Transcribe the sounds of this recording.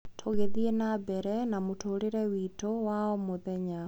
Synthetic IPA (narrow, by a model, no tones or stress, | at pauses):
tʰoɣeðienabɛɾɛnamotʰoːɾeɾɛwitowaɔmoðɛɲa